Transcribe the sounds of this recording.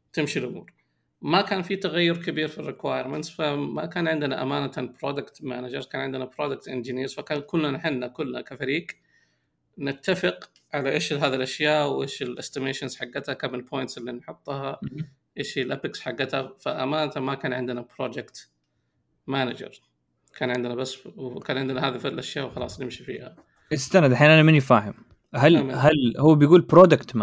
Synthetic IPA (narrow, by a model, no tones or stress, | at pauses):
t̪ɪmʃilʔʊmṵːɾ | makaːnfit̪aɣajːʊɾkabiːɾfirɪkwaːjɪɾˤmɪnt̪sfama̰kaːnʕɪnd̪ɪnaʔamaːnat̪abɾoːd̪akt̪maːnad͡ʒɑɾˤkaːnʕɪnd̪ɪnabɾoːd̪ak̚t̪ʔɪnd͡ʒɪniːɾfakaːnkʊlːnanħanːakʊlːnakafaɾiːɡ | nɪt̪ːafɪq | ʕalaʔeːʃlɦaːðilʔaʃjaːʔwʔeːʃɪlʔɪst̪ɪmeːʃɪnz̥ħaɡːat̪hakamɪnpʰoːjnt̪sʔɪlːinħʊt̪ˤːha | ʔɪʃilʔapɪksħaɡːat̪hafaʔamaːnt̪amakaːnʕɪnd̪ɪnapɾˤoːd͡ʒɪkt̪ | mana̰d͡ʒɑ̰ɾˤ | kʰaːnʕɪnd̪ɪnabasːwkaːnʕɪnd̪nahaːðifalʔaʃjaːʔwxɑlɑ̰ːsˤnɪmʃifḭːha̰ | ʔɪst̪anad̪aħaːnanamɪnːifaːɦɪm | halmɦalhʊwːabɪjɡuːlpɾoːd̪akt̪ma